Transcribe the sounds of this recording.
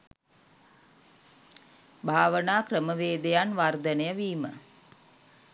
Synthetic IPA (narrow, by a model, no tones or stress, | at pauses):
bʱaːʋənaːkrəməʋeːd̪ejanʋard̪ənəjəʋiːmə̰